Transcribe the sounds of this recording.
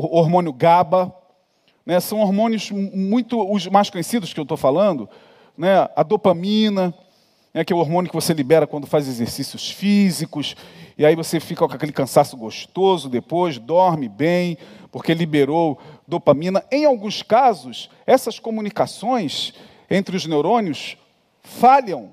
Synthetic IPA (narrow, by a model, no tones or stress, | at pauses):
oɾmõnʊɡabɐ | nɛsɐ̃w̃oɾmõnjʊzmũj̃t̪ʊʊzmajskõɲesid̪ʊskɪewt̪ofalɐ̃nd̪ʊ | nɛɐd̪opɐmĩnɐ | nɛkɛoɾmõnʊkɪvoselibɛɾɐkwɐ̃nd̪ʊfajzezeɾsisiʊsfizikʊsiaivosefikɐkakelɪkɐ̃sasʊɡoʃt̪ozʊd̪epojzd̪ɔɾmɪbẽj̃poɾkelibeɾowd̪opɐmĩnɐẽj̃awɡũskazʊs | ɛsɐskomunikasõj̃s | ẽnt̪ɾɪʊznewɾõniʊs | falɐ̃w̃